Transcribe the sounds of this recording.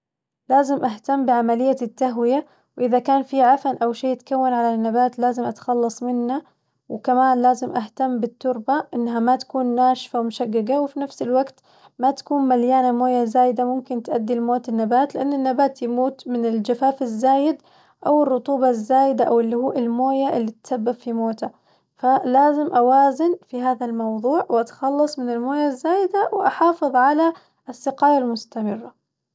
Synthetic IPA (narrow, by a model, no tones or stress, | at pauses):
laːzɪmʔaɦt̪amːbɪʕamalɪjːat̪ːaɦwɪja | wʔɪðakaːnfiʕafanʔawʃeːjɪt̪kawːanʕalanːabaːt̪laːzɪmʔat̪xɑlːɑsˤmɪnːa | wɪkamaːnlaːzɪmʔaht̪amːbɪt̪ːʊɾbaʔɪnːɦamat̪ḁkuːnːaːʃfawmʊʃaɡːɪɡawɪfinafsɪlwaɡt̪ | mat̪ḁkuːnmaljaːnamoːjazaːjɪd̪amʊmkɪnt̪ʔad̪ːilmoːt̪ɪnːabaːt̪lɪʔanːɪnːabaːt̪jɪmuːt̪mɪnɪld͡ʒafaːfazːaːjɪd̪ | ʔawɪrˤːʊt̪ˤuːbɑzːaːjɪd̪aʔawɪlːihuːʔɪlmoːjaʔɪlːit̪sabːabfimoːt̪ʰa | falaːzɪmʔawaːzɪnfiɦaːðalmɑwðˤuːʕwʔat̪xɑlːɑsˤmɪnɪlmoːjazːaːjɪd̪awʔɑħɑːfɨðˤʕala | sːɪqɑːjalmʊst̪amɪrːa